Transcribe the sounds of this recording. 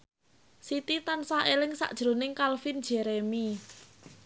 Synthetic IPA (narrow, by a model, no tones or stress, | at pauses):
sit̪it̪ansaelɪŋsa̰ʔd̥ʒ̥ɾonɪŋkalfin̥d͡ʒ̥ɛɾemi